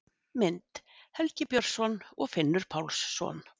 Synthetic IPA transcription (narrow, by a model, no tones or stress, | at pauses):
mɪnt̪hɛlcɪpjœɾ̥sɔnɔɣfɪnːʏɾ̥pʰawlsːɔ̰ːn